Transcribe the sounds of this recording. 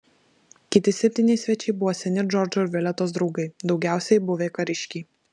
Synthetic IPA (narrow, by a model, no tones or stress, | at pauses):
kʲɪt̪ʲɪsʲɛpʲt̪ʲiːnʲɛɪsʲʋʲɛt͡ʃʲɛɪbʊʋoːsʲɛnʲɪd͡ʒɔɾʲd͡ʒoɾʲʋʲɪlʲɛt̪oːs̬d̪ɾɒʊɡɐɪd̪ɒʊɡʲæˑʊsʲɛjbʊʋʲeːkɐɾʲɪʃʲkʲiː